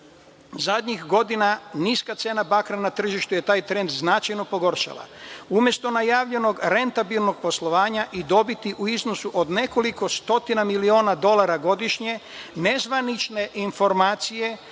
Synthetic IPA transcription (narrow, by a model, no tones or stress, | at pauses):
zad̪ɲixɡo̞d̪inaniːskat̪seːnabakɾanat̪r̩ʒiʃt̪uje̞t̪aːjt̪ɾe̞nd̪znat͡ʃajno̞po̞ɡo̞ɾʃa̰lˠa̰umje̞st̪o̞najaːʋʎe̞no̞ɡɾe̞nt̪abilˠno̞ɡ̥̚po̞slˠo̞ʋaːɲaʔid̪o̞bit̪iʔuizno̞suʔod̪ne̞ko̞liko̞st̪o̞t̪inamilio̞ːnad̪o̞lˠaɾaɡo̞d̪iʃɲe̞ne̞zʋanit͡ʃne̞ʔinfo̞ɾmaːt̪sije̞